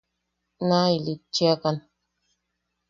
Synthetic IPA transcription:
nailit͡ʃːiakan

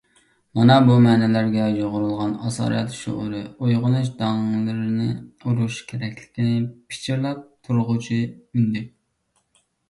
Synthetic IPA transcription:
mɑnɑbumɛːnɛlæɾɡʲɛjoʁʊɾulˠʁɑnɑsɑ̰ːɾjɛt̪ʃo̰ʁʊɾɨojʁʊnɨʃd̪ɑŋlˠɨɾɪnɪuɾuʃkʲʰeɾɛkʲlɪ̥kʲinɪpʰɪ̥t͡ʃʰiɾlɛp̚t̪ʰuɾʁʊt͡ʃʰimynd̪ɪ

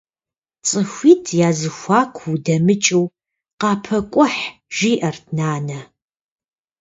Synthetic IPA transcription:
t͡sʼɨxʷiːtʰjaːzɨxʷaːkʷʰudɐmɨt͡ʃʼɨw | qɑːpʰɐkʷʼʊħʒ̥iːʔɐrtʰnaːnɐ

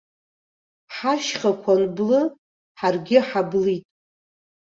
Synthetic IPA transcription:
ħaʃχakʷʰanblɨ | ħarɡʲɪħablitʼ

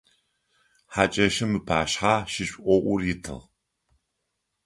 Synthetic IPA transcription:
ħat͡ʃʼɐʃɐmɨpʰaːʃħaːʃɪɕʔʷɔʔʷʊrjɪtʰɨ̰ʁ

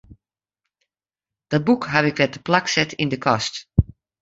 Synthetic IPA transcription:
d̥ɔt̚bukɦavɪkʋɛt̚əplaksɛtɪndəkʰɔst

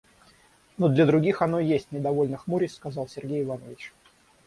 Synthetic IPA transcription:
nud̪lʲəd̪ɾʊɡʲixɐnojesʲtʲnʲɪd̪ɐvo̞lʲnɨxmuɾʲɪskɐzɑlˠsʲɪrɡʲejɪvanəvʲɪt͡ɕ

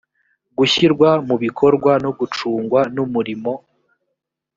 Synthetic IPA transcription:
ɡuiɾɡwamuβikʰo̞ɾɡwanoɡut͡ʃuːŋɡwanumuɾimo̞

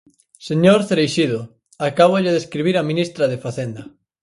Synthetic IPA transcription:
seɲoɾθeɾejʃiðʊ | akaβ̞oʎeðeskɾiβiɾaminist̪ɾaðefaθend̪ɐ

